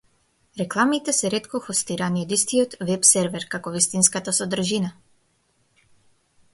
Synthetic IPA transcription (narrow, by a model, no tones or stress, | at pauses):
ɾɛklˠamit̪ɛsɛɾɛt̪kɔxɔst̪iɾaniɔd̪ist̪ijɔt̪vɛpsɛɾvɛɾkakɔvist̪inskat̪asɔd̪r̩ʒina